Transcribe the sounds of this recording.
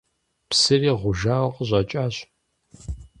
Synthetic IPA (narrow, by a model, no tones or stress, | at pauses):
psɨriːʁʷʊʒaːwqʼəʑʼɐt͡ʃʼaːɕ